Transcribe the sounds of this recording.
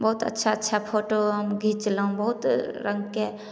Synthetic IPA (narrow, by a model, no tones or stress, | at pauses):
bəɦut̪ə̰tːʃʰaətːʃʰapʰoːʈoɦəmɡʱit͡ʃləɦũbəɦʊt̪ɾə̃ŋɡke